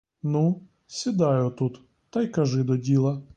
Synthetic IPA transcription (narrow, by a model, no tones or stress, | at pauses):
nu | sʲid̪ɑjʊt̪ut̪ | t̪ɐjkɐʒɪd̪ɔdʲilˠɐ